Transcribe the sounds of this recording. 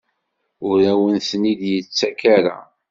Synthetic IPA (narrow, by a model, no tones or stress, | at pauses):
ʊɾæwənθnid̪jət͡sːækaɾa̰